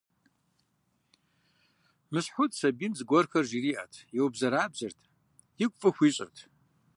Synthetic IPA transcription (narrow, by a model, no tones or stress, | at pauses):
mɨsħʊtʰʼsɐbinzɨɡʷɔrxɐrʒiriːʔɐ̰tʰjɛwbzɐɾaːbzɨrtʰ | jɪkʷʼfʼɨxʷiːɕʼɪ̰rtʰ